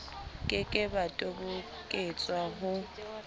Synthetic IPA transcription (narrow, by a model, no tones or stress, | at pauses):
kʼɪkʼɪbatʼobʊ | kʼɪt͡sʼwaɦʊ